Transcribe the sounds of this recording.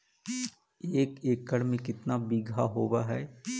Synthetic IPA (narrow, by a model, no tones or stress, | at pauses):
eːkeːkːəɽmẽkɪt̪nabiːɡʱaɦoːwaɦɛː